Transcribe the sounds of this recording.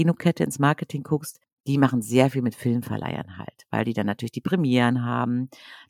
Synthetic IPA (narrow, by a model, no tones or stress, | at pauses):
iːnokʰɛtəɪ̰nsmaɐkətʰɪŋkʰʊkst | d̥iːmaχn̩zeːɐfiːlmɪtfɪlmfɛ̰ɐlʔa̰ɪɐ̰nha̰ltvaɪldiːdanːatʰyɐlɪçd̥iːpʁ̥ɛmjɛːʁənɦa̰ːbm̩